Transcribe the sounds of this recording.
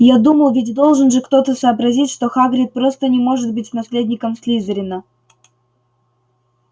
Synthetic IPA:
jad̪uməlˠvʲɪtʲd̪o̞lˠʐɨnʐɨkt̪o̞t̪əsəːbɾɐzʲitʲʂt̪o̞xaɡɾʲɪt̪̚pɾo̞st̪ənʲɪmo̞ʐɨt̪̚bɨtʲnɐsʲlʲedʲnʲɪkəmsʲlʲizəɾʲɪnə

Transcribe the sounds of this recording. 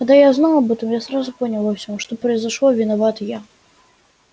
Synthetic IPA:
kad̪ajaznalˠɐbɛt̪ɨmjasɾazupɔnʲɐlˠvɐwsʲɔʂt̪ɔpɾɐjzaʂlˠɔvʲinavat̪ja

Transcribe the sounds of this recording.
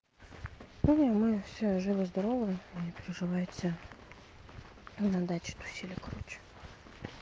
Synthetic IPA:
pomnʲəmɨfsʲoʐɨvəzd̪ɐɾovəjipʲɪɾʲɪʐɨvajɪt̪sʲə | nɐd̪at͡ɕʲɪ̥t̪ʊ̥sʲilʲɪjəkɾut͡ɕ

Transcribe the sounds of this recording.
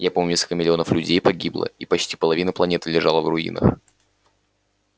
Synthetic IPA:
japomʲʊnʲeskəlʲkəmʲɪlʲɪo̞nəflʲʉdʲejpɐɡʲiblˠə̰ipɐt͡ɕtʲi̥pəlˠɐvʲinəplˠɐnʲet̪ɨlʲɪʐalˠəvrʊḭnə̰x

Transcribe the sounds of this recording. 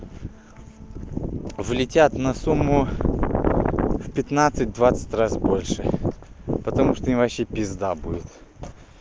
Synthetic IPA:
vlʲɪtʲat̪nɐsumːʊ | fpʲɪt̪nat̪sɨt̚ʲd̪vat̪sɨ̥tʲrasbo̞lʲʂɨ | pət̪ɐmuʂt̪oimvɐpɕːepʲɪzd̪abudʲɪt̪

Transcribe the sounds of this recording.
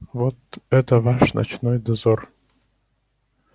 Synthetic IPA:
vɔt̪ɛt̪əvaʂnɐ̰t͡ɕnɔjd̪ɐzɔr

